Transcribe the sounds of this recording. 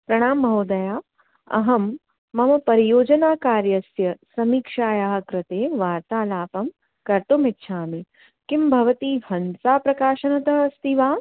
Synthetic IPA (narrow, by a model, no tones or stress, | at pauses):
pɾɐɽ̃aːmːɐɦoːd̪ɐjaː | ɐ̰ɦɐmː | ɐmɐpɐɾijoːd͡ʒɐnaːkaːɾjɐsjɐsɐmiːkʂaːjaːɦɐkɾɪt̪eːʋaːɾt̪aːlaːpɐm | kɐɾt̪omɪtːʃʰaːmi | kimbʱɐʋɐt̪iːbʱɐnsaːpɾɐkaːʃɐnɐt̪ɐɦɐst̪iʋaː